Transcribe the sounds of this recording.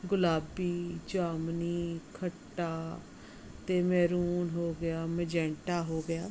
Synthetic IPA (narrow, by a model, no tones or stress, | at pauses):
ɡʊlaːbiːd͡ʒaːmniːkʰəʈːaː | t̪eːmɛːɾuːnɦoːɡɪjaːməd͡ʒɛ̃ːɳʈaːɦoːɡɪjaː